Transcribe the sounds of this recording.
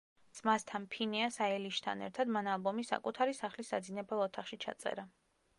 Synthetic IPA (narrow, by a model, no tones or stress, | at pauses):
smast̪ʰanpʰinɛasaɛliʃt̪ʰa̰nɛ̰ɾt̪ʰad̪manalˠbɔmisa̰kʼut̪ʰaɾisaχlisa̰d̪zinɛbɛlˠɔt̪ʰaχʃit͡ʃʰa̰t̪sʼɛ̰ɾa